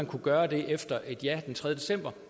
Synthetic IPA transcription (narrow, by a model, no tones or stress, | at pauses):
ænkʰuɡ̥ɶːɐd̥e̝ʔefd̥ɐʔe̝d̥jæd̥ent͡sʰʁɛðˠjəd̥e̝sem̰b̥ɐ